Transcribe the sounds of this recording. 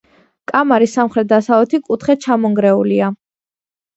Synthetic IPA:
kʼamaɾisːamχɾɛt̪̚d̪asavlɛt̪ʰikʼut̪ʰχɛt͡ʃʰamɔŋɡɾɛulia

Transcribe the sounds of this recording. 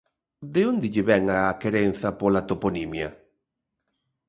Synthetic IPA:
d̪eond̪ɪʎɪβɛŋaːkeɾen̟θɐpolat̪oponimjɐ

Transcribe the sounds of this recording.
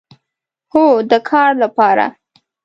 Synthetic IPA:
hod̪əkʰɑɾlapɑɾa̰

